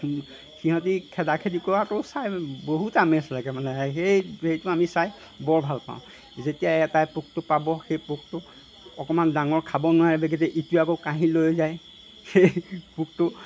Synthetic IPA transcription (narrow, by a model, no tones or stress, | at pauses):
xiɦɔ̃t̬ikʰɛdakʰedikɔatɔsajboɦutamɛslakɛmanɛxejhejtʊamisaj | bɔɹbʱalpa̰ʊ̃ | zetijaɛtajpuk̚tʊpabɔxejpuk̚tʊ | ɔkɔmandaŋɔɹkʰabɔnʊwaɹɛbɛɡɛtɛʔituakokaɦĩlojzaj | xejpuk̚tʊ